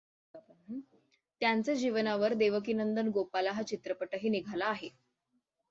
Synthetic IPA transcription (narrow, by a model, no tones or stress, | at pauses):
t̪jant͡sad͡ʑiʋənaʋəɾd̪eʋək̬inənd̪ənɡopalaɦat͡ɕit̪ɾəpəʈəɦiːniɡʱalaːɦe